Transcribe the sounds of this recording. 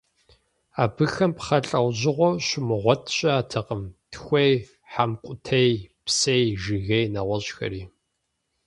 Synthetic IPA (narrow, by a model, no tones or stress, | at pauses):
aːbɨxɐmpχɐɬʼɐwʑɪʁʷɔɕɪmɨʁʷɔtʰɕʼɐaːtʰɐqʼəmtʰxʷej | ħamkʷʼʊtʰejpsejʒɨɣejnɐʁʷɔɕʼxɐ̰ɾiː